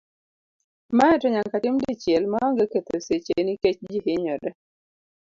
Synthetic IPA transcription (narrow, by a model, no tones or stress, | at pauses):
maɛtɔɲaŋkatɪmdit͡ʃjɛlmaɔŋɡeket̪oset͡ʃeniket͡ʃd͡ʒihɪɲɔdɛ